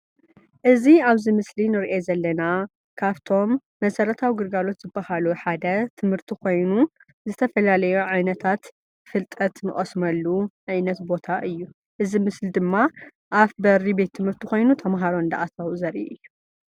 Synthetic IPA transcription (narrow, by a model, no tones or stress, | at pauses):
ʔɨziaβzimɨslinɨɾʔezɐlːɐna | kʰaβt̪ʰo̞mː | ɐsɐɾɐt̪ʰawiɡɨɾɡalo̞t̪z̥ɨbːahaluħad̪ɐt̪ʰɨmhɨɾt̪ʰikʰo̞jnu | zɨt̪ʰɐfɐlalɐjuʕajnɐt̪ʰat̪ | fɨlt̪ʼɐt̪nɨχʼɐsmɐlːuʕajnɐt̪bo̞t̪ʰaʔɨjːu | ʔɨzimɨslid̪ɨmːa | ʔafbɐɾibe̞t̪ʰːɨmhɨɾt̪ʰiko̞jnut̪ʰɐmɦaɾoɨnd̪ɐ̰ʔat̪ʰawzɐɾʔḭʔɨjːu